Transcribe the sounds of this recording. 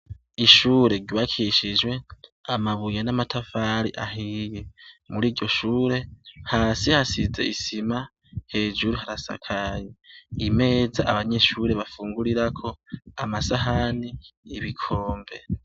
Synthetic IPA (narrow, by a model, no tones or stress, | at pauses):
iʃuːɾe̞ɟuβakʰiʃid͡ʒwe̞amaβujanamatʰafaɾḭʔaɦijemuɾiːɟɟo̞ʃuːɾe̞haːsihasize̞̰isima | he̞ːd͡ʒuɾuhaɾasa̰kʰajeime̞ːzaʔaβaɲe̞ʃuːɾe̞βafuːŋɡuɾiɾakʰo̞amasaɦaniiβikʰo̞ːmbe̞̰